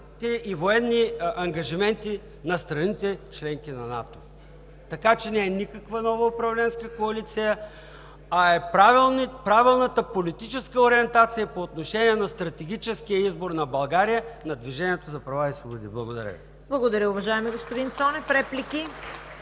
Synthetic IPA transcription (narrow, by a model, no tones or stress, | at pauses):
t̪ɛivoɛnːiɐŋɡɐʒimɛnt̪i | nɐst̪ɾɐnit̪ɛt͡ʃlɛŋkinɐna̰t̪o | t̪ɐkat͡ʃɛnɛɛnikəkvənɔvəʊpɾɐvlɛnskəkoɐlit̪sijə | ɐɛpɾavilˠnpɾavɛlˠnət̪əpolit̪it͡ʃɛskəoɾiɛnt̪at̪sijəpoːt̪noʃɛniɛnɐst̪ɾɐt̪ɛɡ̟ʲit͡ʃɛskijəizboɾnɐbɐlˠɡaɾijənɐd̪viʒɛnʲiɛt̪ozɐpɾɐvaisvobod̪iblˠɐɡod̪ɐɾʲə̰vi | blˠɐɡod̪ɐɾʲəʊvɐʒaɛmiɡospod̪insɔnɛfɾɛpliki